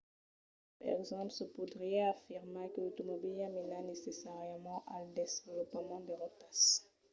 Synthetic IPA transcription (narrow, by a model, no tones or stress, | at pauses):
paɛ̰ɡzɑ̃psəpud̪ʁiɛafiʁmekəlot̪omɔbilamɛnanesesaʁjəmɑ̃ʔald̪esvlɔpmɑ̃d̪əʁətas